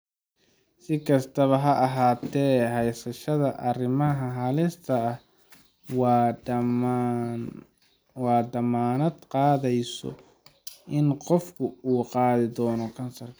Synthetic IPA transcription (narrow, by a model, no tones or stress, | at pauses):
sɪkʰɐst̪ʰɐβɐɦɐʔɐɦaːt̪ʰɛːɦɛjsɐʃɐðɐʔɐrɪmɐɦɐɦɐlɪst̪ʰɐɐh | w | wɑːd̪ɐmaːnɐd̪qɑːðɛjsɔ̰ | ʔɪnqɔfkʰʊuːqɑːðɪd̪ɔːnɔkʰɐnsɐrkʰɐ